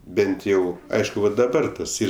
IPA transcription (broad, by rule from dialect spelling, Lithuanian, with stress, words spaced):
ˈbʲɛnt jɛʊ ˈɐɪʃkʊ ʋɐ dɐˈbɐr tɐs ˈiːr